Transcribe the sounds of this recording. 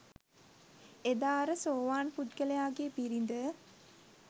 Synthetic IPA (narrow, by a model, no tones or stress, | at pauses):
ed̪aːɾəsoːʋaːnput̪kəlejaːɡeːpiɾind̪ə